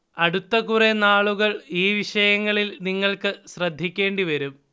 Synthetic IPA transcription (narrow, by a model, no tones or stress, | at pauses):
ɐɽut̪ːɐkure̞naːɭuɣɐɭiːʋiʂɐjɐŋːɐɭilniŋːɐɭkɨɕrɐd̪ʱːikʲːe̞ːɳɖiʋɐɾum